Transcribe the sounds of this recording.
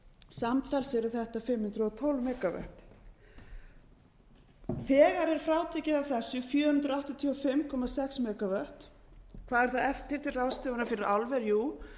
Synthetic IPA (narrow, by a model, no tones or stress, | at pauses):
samt̪ʰajlsɛɾʏθɛht̪afɪmhʏnt̪ɾʏɔt̪ʰowlvmɛːkavœ̰ht̪ | θɛːɣaɾɛɾ̥fɾawt̪ʰɛcɪðavθɛsːʏfjœːhʏnt̪ɾʏaht̪at̪ʰiɔfɪmkʰɔmasɛksmɛːkavœht̪ | kʰv̥aːðɛɾ̥θaðɛft̪ɪɾ̥t̪ʰɪlraːwst̪ʏːvanafɪɾɪɾalvɛɾjuː